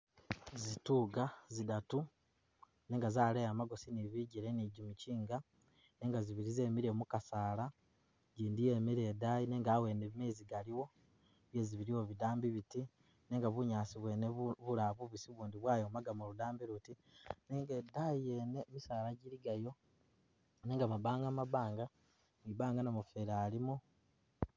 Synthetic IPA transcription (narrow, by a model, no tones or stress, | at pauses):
zituɡazidatu | ne̞ːŋɡazaːlejamaɡo̞siniβiɟiɾeniɟumiciːŋɡa | ne̞ːŋɡaziβiɾize̞ːmiɾemukasaːla | ɟiːndijeːmiɾedajine̞ːŋɡaːwe̞nemeziɡaliwo̞ | βje̞ziβiɾiwo̞βidaːmbiβiti | ne̞ːŋɡaβuɲaːsiβwe̞ːneβulaβuβisiβuːndiβwaːjomaɡamoludaːmbiɾuti | neːŋɡedajenemisaːlaɟiliɡajo̞ | ne̞ːŋɡamaβaːŋɡamaβaːŋɡa | miβaːŋɡanamufeɾaːlimu